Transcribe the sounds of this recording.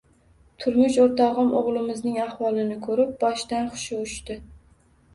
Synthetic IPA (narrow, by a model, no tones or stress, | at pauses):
t̪ʰʊɾmʊʃoɾt̪ɒʁɨmʔoʁlˠɪmɪznɪŋahwɒlˠɪnɪkʰɵɾɪp̚bɒʃt̪anχʊ̥ʃɪʊʃt̪ɪ